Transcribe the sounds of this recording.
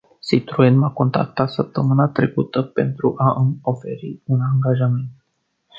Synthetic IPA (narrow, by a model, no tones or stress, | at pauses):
sit̪ɾuenmako̞nt̪ɾa̰k̚t̪at̪səp̚t̪əmɨnat̪ɾekut̪əpe̞nt̪ɾuʔaʔmo̞fe̞ɾiunaŋɡaʒame̞nt̪